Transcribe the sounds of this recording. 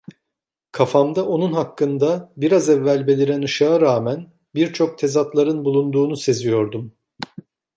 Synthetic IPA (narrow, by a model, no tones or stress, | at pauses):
kʰafamd̪aʔo̞nunɦakːɯnd̪abiɾazɛvːælʲbe̞lʲiɾɛnɯʃaːɾaːmæn | biɾt͡ʃʰo̞k̚t̪ʰe̞zat̪lˠaɾɯnbulˠund̪uːnuse̞zijo̞ɾd̪um